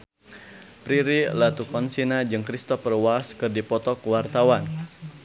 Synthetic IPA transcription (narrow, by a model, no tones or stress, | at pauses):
pɾiɾilat̪ukɔnsinad͡ʒɨŋkɾist̪ɔfərwaskɨrdipɔt̪ɔkwart̪awan